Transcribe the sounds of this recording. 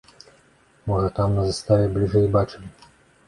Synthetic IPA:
mɔʐɐt̪amnɐzɐst̪avʲɛblʲiʐɛjbat͡ʂɨmʲ

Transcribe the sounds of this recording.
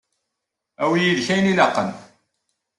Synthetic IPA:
æwijiðçæjnilɑqːən

